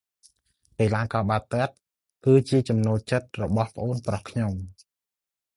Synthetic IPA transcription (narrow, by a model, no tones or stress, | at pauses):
peːlaːkɑːɓaːt̪əət̪̚ | kɨːt͡ɕiət͡ɕɑmnoːlt͡ɕət̪̚rɔɓɑhpə̆ʔoːnprɑhkʰɲom